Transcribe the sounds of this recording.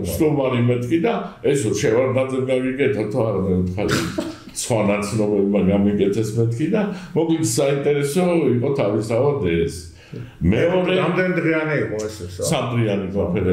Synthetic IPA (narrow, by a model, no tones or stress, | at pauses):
t͡ʃt̪umaɾimɛt̪ʰkʰid̪aɛsɔt͡ʃʰɛvaɾd̪azɛmɡaɡiɡɛt̪ʰat̪ʰɔaɾamɛut̪χaɾi | sχwanat̪sʰnɔbɛbmaɡamikʼɛt̪ʰɛsmɛt̪̚ʰkʰid̪amɔɡit̪ʰsaint̪ʼɛɾɛsɔiqʼɔt̪ʰavist̪ʰavad̪ɛs | mɛɔɾɛamd̪ɛnid̪ʁɛaniiqʼɔɛsssamd̪ɾianikʼɔnpʰɛɾɛ